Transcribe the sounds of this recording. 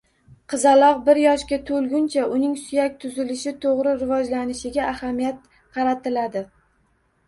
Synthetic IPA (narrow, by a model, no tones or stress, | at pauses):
qʰɨzalˠɒq̚bɪɾjɒʃkʲat̪ʰɵlɡʲʊnt͡ʃʰaʔʊnɪŋsʊjakʲt̪ʰʊzɪlɪʃɪt̪ʰoʁɾɪɾɪvɒd͡ʒlanɪʃɪɡʲaʔːhamijat̪̚ | qʰɑɾat̪ʰɪlad̪ɪ